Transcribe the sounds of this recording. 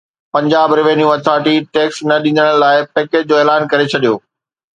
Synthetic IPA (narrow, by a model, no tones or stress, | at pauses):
pɐ̃ɲd͡ʑaːbɾɪʋeːnijũɐt̪ʰaːʈiʈeːksnɐɗĩːnd̪əɽ̃əlaːɪpeːket͡ɕ̚d͡ʑoːeːlaːnkɐɾet͡ɕʰɐɗijoː